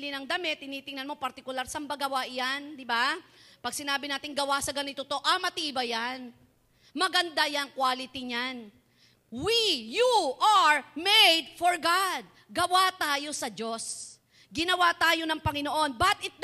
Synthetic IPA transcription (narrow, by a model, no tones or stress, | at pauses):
lɪnɐŋd̪ɐmɛt̪̚ːɪniːt̪ɪŋnɐnmo̞pɐɾt̪ɪkʊlaɾsɐmbɐɡɐwaʔjand̪ɪbapɐɡ̚sɪnaːbɪnaːt̪ɪŋɡɐwasɐɡɐnɪt̪ot̪o̞ʔɐmɐt̪iːbɐjan | mɐɡɐnd̪ajɐŋkwaːlɪt̪iɲan | wijuʔaɹmejd̪̚foɹɡad̪̚ | ɡɐwat̪aːjo̞sɐd͡ʒo̞s | ɡɪnɐwat̪aːjo̞nɐŋpɐŋɪno̞ʔo̞nbɐt̪ɪt̪̚d̪